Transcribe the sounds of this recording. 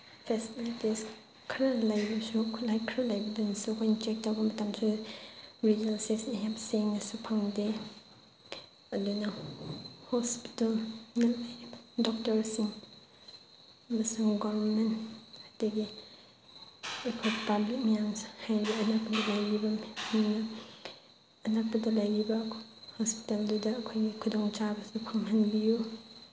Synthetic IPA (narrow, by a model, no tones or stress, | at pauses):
pʰeslites | kʰɾalajbɐsukʰlajkʰɾɐlajbɐdunɐsukʰojnt͡ʃek̚tawbɐmɐtamsu | ɾid͡ʒalsesneɦɛp̚seŋnɐsupʰaŋde | ɐduna | hɔspi̥talŋɐlajdɔk̚tɐɾsiŋ | ɐmɐsuŋɡɔmenthataɡi | ekʰojpablik̚mijaŋhajbiɐnak̚bɐdalajɡibamna | ɐnak̚badalajɡibahɔspi̥taldudaːkʰojɡikʰudɔŋt͡ʃabɐsupʰaŋɦanbiju